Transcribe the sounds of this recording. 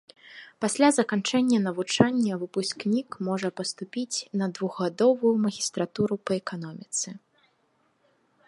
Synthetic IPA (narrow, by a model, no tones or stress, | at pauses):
pasʲlʲazɐkant͡ʂɛnʲːɐnɐvut͡ʂanʲːɐvɨpusʲknʲikmɔʐɐpɐst̪upʲit͡sʲnɐd̪vuɣɣad̪ɔvujumɐɣʲist̪ɾat̪uɾupɐɛkan̪ɔmʲit̪sɛ